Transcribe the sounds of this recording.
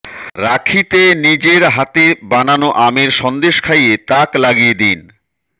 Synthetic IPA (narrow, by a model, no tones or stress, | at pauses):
ɾakʰit̪enid͡ʑeɾɦat̪ebananoʔameɾʃɔnd̪eʃkʰajet̪aklaɡijed̪in